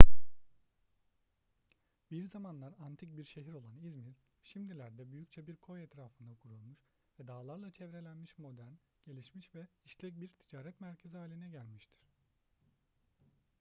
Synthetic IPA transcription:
biɾzamanlˠaɾant̪ʰic̚biɾʃe̞ɦiɾo̞lˠanizmiɾ | ʃimd̪ilʲæɾd̪ɛbyjyct͡ʃʰɛbiɾkʰo̞jɛt̪ɾaːfɯnd̪akʰuɾulˠmuʃ | vɛd̪aːlˠaɾlˠat͡ʃʰɛvɾe̞lʲænmiʃmo̞d̪æɾn | ɟ̥e̞lʲiʃmiʃvɛiʃlʲɛc̚biɾt̪ʰid͡ʒaːɾɛt̪mæɾcʰeziɦaːlʲinɛɟælʲmiʃt̪ʰi̥ɾ̥

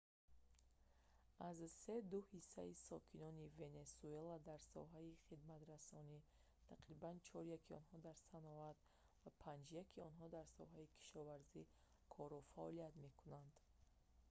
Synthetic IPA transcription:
azse̞d̪uhisːaisɔkʰinɔnive̞ne̞suelad̪aɾsɔ̰ɦaiχid̪mat̪ɾasɔni | t̪ʰaqɾibant͡ʃʰɔɾjakʰiɔ̰nɦɔd̪aɾsanɔat̪ | vapʰãnd͡ʒjakʰiɔnɦɔd̪aɾsɔ̰ɦaikʰi̥ʃɔvaɾzi | kʰɔɾɔfaɔlijat̪me̞kʰunand̪

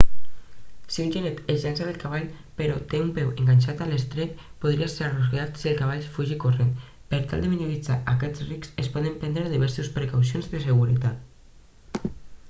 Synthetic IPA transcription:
siunʲʒenet̪eʒɛnsaðelkaβaʎ | peɾɔt̪eumpɛweŋɡaɲʲʃat̪alest̪ɾɛtpuðɾiaseɾarusɣeat̪sielˠkaβ̞aʎfuʒikuren | peɾt̪a̰lˠd̪eminulit͡sa̰ʔakɛt͡sriksespɔðəmpɛnd̪ɾeðiβ̞ɛɾsuspɾekawsionzðəseɣuɾit̪at̪

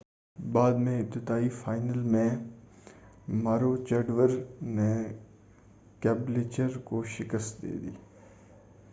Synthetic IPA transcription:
baːd̪mẽɪp̚t̪ɪt̪aːifaːɪnəlmẽ | maːɾot͡ʃɐɖʋəɾnẽ | kɛːbleːt͡ʃəɾkoʃɪkəst̪̚d̪ḛːd̪ḭː

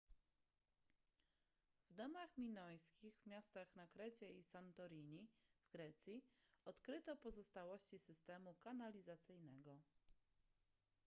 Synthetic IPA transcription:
vd̪ɔmaxmʲinɔjskʲiɣvmʲjast̪axnakɾɛt͡ɕɛisant̪ɔɾʲiɲivɡɾɛt̪sʲjiɔt̪kɾɘt̪ɔpɔzɔst̪awɔɕt͡ɕisɘst̪ɛmukanalʲizat̪sɘjnɛɡɔ

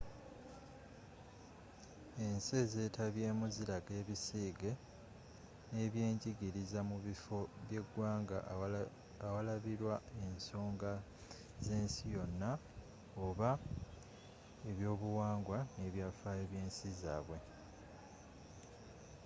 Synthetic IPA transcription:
e̞nseze̞ːtʰaβje̞ːmuziɾaɡe̞ːβisiːɡe̞ | ne̞βje̞ːɲɟiɡiɾizamuβifo̞βje̞ɡwaːŋɡa̰ː | walaβiɾwae̞nso̞ːŋɡa | ze̞ːnsijo̞nːa | oβa | eβjo̞ːβuwaːŋɡwane̞βjafaːeβje̞ːnsiza̰ːβwe

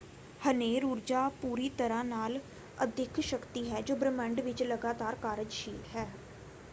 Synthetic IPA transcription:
həneːɾuːɾd͡ʒaːpuːɾiːt̪əɾãːnaːl | əd̪ɪkʰʃəkt̪iːɦɛːd͡ʒoːbɾəməɳɖʋɪt͡ʃləɡaːt̪aːɾkaːɾəd͡ʒʃiːt̪ɦɛː

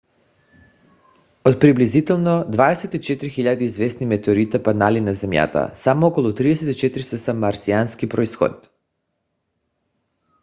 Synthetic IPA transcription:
ot̪̚pɾiblizit̪ɛlˠnod̪vad̪ɛsɛt̪it͡ʃɛt̪ɾixiʎad̪iːzvɛsnimɛt̪eoɾit̪apad̪nalinazɛmja̰t̪a̰samookolˠɔt̪ɾid̪ɛset̪it͡ʃɛt̪ɾisasamːaɾsianskipɾoisxo̰t̪

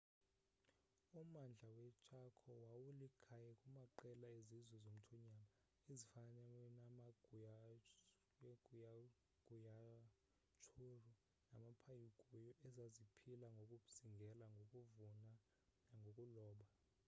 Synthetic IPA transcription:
umand͡ɮʱawɛt͡ʃʼakʰɔwawulikʰajɛkʼumaǃɛlaezizwɛzom̩tʰɔɲama | ezifanɛlɛnamaɡu | ɡ̥ʱuja | ɡ̥ʱuja | t͡ʃʰʼuru | namapʰajiɡ̥ʱujɔʔɛzazipʰilaŋɡʱokʼuz̥iŋɡʱɛlaokʼuvuna | naŋɡʱokʼulɔːɓa

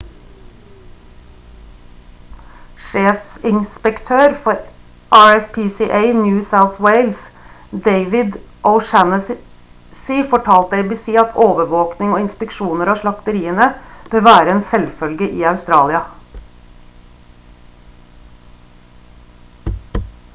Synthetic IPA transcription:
ʃeːfssɪnspəkt̪ʰøːɾfɔɾ | ʔɑːɹɛspʰiːsiʔeɪnjʉːsaʊθweɪls | d̪eɪʋɪd̪ | ʔɔʊʃænəs | siːfɔʈʰɑːlt̪əeɪbisiːɑt̪ʰoːʋəʋoːknɪŋoːɪnspɛkʃuːnəɾɑːʃlɑkt̪əɾiːənəb̥øːʋæːɾəeːnsɛlfœlɡəʔiːɑʉst̪ɾɑːlɪɑ

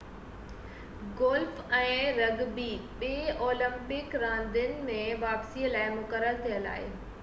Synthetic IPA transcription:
ɡoːlfɛ̃ːɾɐɡbiɓeːʔoːlə̃mpɪkɾãːnd̪ɪnɪ̆mẽʋaːpsiːəlaːɪmʊkəɾəɾt̪ʰijəla̰ːɪ̰

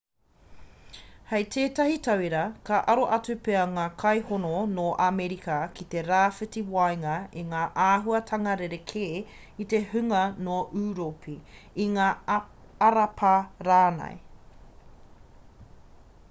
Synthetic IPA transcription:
hejtʰeːtɐhitʰɐwiɾɐkʰɐʔɐɾoʔɐt͡sʉpeɐŋaːkʰɐjhononoʔamɛɾikɐkʰit̪eɾaːfɨtiwɐjŋɐiŋaːʔaːɦuɐtʰɐŋɐɾeɾekʰeː | it̪ehʉŋɐnoʔʉːɾopʰiiŋaː | ɐɾɐpʰɐɾaːnɐ̰j

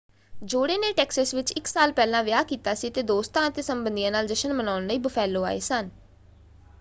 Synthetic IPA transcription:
d͡ʒoːɽeːneːʈɛːksəsʋɪt͡ʃɪksaːlpɛːlãːʋjaːkiːt̪aːsiːt̪eːd̪oːst̪ãːət̪eːsəmbənd̪ijãːnaːld͡ʒəʃənmənaːʊnləiːbəfʰɛːlːoːa̰ːḛːsən

